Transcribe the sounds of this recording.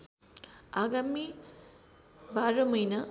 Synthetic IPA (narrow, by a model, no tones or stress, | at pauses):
aɡami | baɾɐmujnɐ